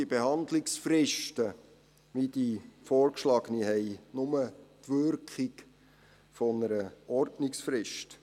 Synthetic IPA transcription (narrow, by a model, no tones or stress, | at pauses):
ibehɑnd̪lɪksfrɪʃtə | ʋidifɔːɾkʃlɑːɡ̥əniɦɛɪnʊmətʋʏɾkχɪk | fɔnəɾəɔɾtnɪksfɾɪʃt